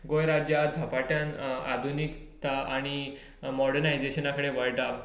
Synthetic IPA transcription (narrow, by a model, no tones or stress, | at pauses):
ɡojɾad͡ʑjad͡zʱapaʈjana̰d̪ʱunikt̪aaɽ̃i | mɔɽənajd͡zeɕənakʰəɽeʋəɭʈaʋ